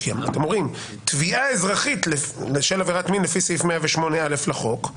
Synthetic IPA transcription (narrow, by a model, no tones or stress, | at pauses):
kia̰mat̪emoʁim | t̪viaezʁaχit̪leleʃelaveʁat̪minlefisefmeaveʃmonealeflaχo̞k